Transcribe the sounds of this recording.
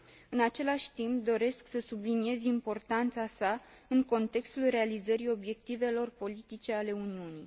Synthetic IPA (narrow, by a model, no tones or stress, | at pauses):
ɨnat͡ʃe̞laʃʲt̪imp̚d̪o̞ɾe̞sksəsublinie̞zʲimpo̞rt̪ant̪sasaɨŋko̞nt̪e̞kst̪ulre̞alizəɾio̞bje̞k̚t̪ive̞lo̞rpo̞lit̪it͡ʃe̞ale̞uniunij